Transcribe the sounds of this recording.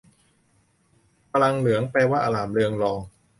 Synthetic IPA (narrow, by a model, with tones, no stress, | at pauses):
pa˧la˧ŋlɯ˩˦əŋpɛː˧waː˥˩ʔaː˧laː˨˩˦mlɯ˧əŋlɔː˧ŋ